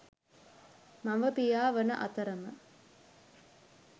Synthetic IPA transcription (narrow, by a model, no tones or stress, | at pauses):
maʋəpijaːʋənə̰ʔat̪əɾəmə